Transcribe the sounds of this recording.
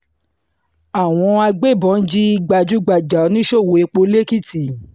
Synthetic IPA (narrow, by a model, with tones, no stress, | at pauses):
a˨w̃ɔ̃˧a˧ɡ͡be˦˨bɔ̃˨˦n̩˦d͡ʒi˦i˧ɡ͡ba˧d͡ʒu˦ɡ͡ba˨d͡ʒa˨˦nĩ˦ʃo˦˨wo˨e˧k͡po˧le˦ki˦˨ti˨